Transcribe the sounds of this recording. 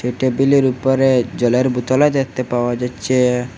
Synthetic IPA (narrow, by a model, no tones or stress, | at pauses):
ʃeʈebiliɾupoɾed͡ʑɔleɾbut̪ɔlad̪at̪ːepaoad͡ʑatːɕʰe